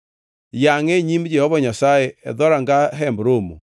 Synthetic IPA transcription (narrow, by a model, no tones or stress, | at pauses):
jaŋeɲimd͡ʒɛhɔβɔɲasaeɛ̰ðɔɾaŋɡaɦɛmbɾomo